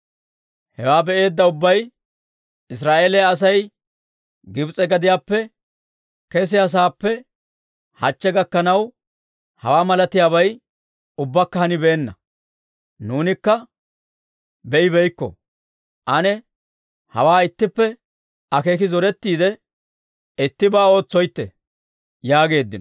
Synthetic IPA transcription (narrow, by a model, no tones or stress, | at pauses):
hɛwaːbɛʔe̞ːd̪ːɐʊbːɐj | ɪsɾaːʔeːlɛjaːs̬ɐj | ɡɪbt͡sʼɛɡɐd̪ɪjaːpːɛ | kɛs̬ɪjas̬aːpːɛ | hɐt͡ʃːɛɡɐkːɐnɐw | hɐ̰waːmɐlɐt̪ɪjaːβɐj | ʊbːɐkːɐhɐnɪbeːnːɐ̰ | nuːnɪkːɐ | bɛʔɪbɛjkːɔ̰ | ʔɐnɛ | hɐ̰waːɪt̪ːɪpːɛ | ɐke̞ːkɪzɔɾɛt̪ːiːd̪ɛ | ɪt̪ːɪbaːo̞ːt͡sːɔjt̪ːɛ | jaːɡe̞ːd̪ːɪn